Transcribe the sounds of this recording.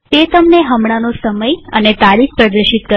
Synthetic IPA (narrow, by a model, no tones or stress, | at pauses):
t̪et̪əmneɦəmɽ̃anosəməjənet̪aɾik̚ʰpɾəd̪əɾʃit̪̚kə